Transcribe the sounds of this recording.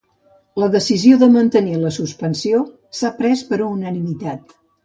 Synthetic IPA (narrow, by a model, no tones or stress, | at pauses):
ləðəsizioðəmənt̪əniləsuspənsio | sapɾɛspəɾuːnənimit̪at̪̚